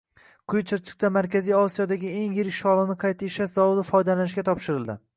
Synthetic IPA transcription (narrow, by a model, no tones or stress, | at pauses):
qʰʊjt͡ʃʰɪɾt͡ʃʰɨ̥q̚t̪amaɾkʲʰazijɒsijɒd̪aɡʲɪe̞ŋjɪɾɪkʲʃɒlˠɪnɪqʰɑjt̪ʰaɪʃaszɒwʊd̪ɪfɒjd̪alanɪʃ̬kʲat̪ʰɒpʃɪɾɪlˠd̪ɪ